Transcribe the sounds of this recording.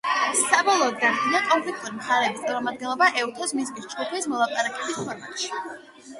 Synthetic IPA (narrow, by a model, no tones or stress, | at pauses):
sabɔlˠɔːd̪̚ɡaɾd̪inakʼɔmpʰlɛk̚ʰt̪ʼuɾimχaɾɛːbisʼaɾɔmad̪̚ɡɛnlˠɔbaʔɛut̪ʰɔsmizmisd͡ʒɡupʰɛsmɔlˠapʼaɾakʼɛbispʰɔɾma̰t̪ʼʃi̥